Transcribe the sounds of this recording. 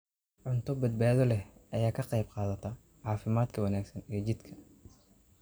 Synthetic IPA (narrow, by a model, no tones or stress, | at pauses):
ʕʊnt̪ʰɔbɐd̪̚baːðɔlɛɐjaːkʰɐqɑjbqɑːðɐt̪ʰɐ | ʕɑːfɪmaːd̪kʰɐwɐnaːɡsɐnijɐd͡ʒɪd̪kʰɐ̥